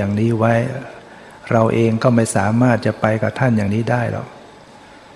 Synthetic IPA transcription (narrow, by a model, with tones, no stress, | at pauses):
aː˨˩ŋniː˦˥wa˦˥j | ɾa˧wʔeː˧ŋkɔː˥˩ma˥˩jsaː˩˦maː˥˩t̪̚t͡ɕa˨˩ʔpa˧jka˨˩t̪ʰa˥˩njaː˨˩ŋniː˦˥daː˥˩jlɔ̰˨˩k̚